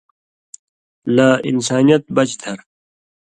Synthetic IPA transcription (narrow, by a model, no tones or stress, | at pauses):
naːḭnsaːnijɐt̪̚bɐt͡ɕd̪ʰʱɐɾ